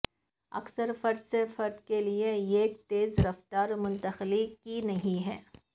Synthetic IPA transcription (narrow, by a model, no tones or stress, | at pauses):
ɐ̰ksəɾfɐɾd̪sefɐɾd̪kelieeːk̚t̪eːzɾɐft̪aːɾmʊ̃nt̪əxlikinɐɦĩɦɛ̰ː